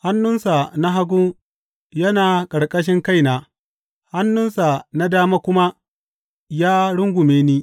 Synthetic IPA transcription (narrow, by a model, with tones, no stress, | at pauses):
ha˦nːʊ˦nsa˨na˦ɦa˦ɡʷʊ˦ŋ | jɐ˦naː˨kʼɐ˨ɽkʼɐ˦ʃɪ˦ŋka˦jnaː˨ | ha˦nːʊ˦nsa˨na˦daː˦maː˦kʷʊ˦ma˦ | jaː˦ɽʊ˦ŋɡʷʊ˨meː˦niː˦